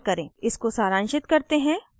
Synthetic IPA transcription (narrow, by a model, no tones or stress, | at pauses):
kɐɾẽːɪskosaːɾãːnʃɪt̪kɐɾt̪eɦɛ̃ː